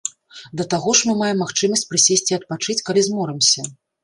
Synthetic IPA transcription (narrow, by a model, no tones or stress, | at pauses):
d̪ɐt̪aɣɔʂmɨmajɛmːaxt͡ʂɨmɐsʲt͡sʲpɾɨsʲesʲt͡sʲiɐt̪̚pat͡ʂɨt͡sʲkalʲizmɔɾɨmsʲɐ